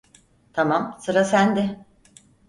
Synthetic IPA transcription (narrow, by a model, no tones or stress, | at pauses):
t̪ʰamamsɯɾasænd̪ɪ